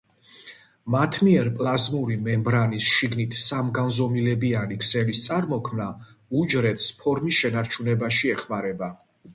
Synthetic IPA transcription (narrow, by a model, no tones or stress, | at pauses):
mat̪ʰmiɛɾpʼlˠazmuɾimɛmbɾanisʃiɡnit̪ʰsamɡanzɔmilɛbianikʰsɛlist̪sʼaɾmɔkʰmna | ud͡ʒɾɛt̪ʰspʰɔɾmisʃɛnaɾt͡ʃʰunɛbaʃiɛχmaɾɛba